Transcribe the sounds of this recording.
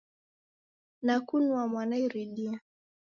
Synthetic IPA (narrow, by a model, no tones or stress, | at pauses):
nakunuamwanaiɾilia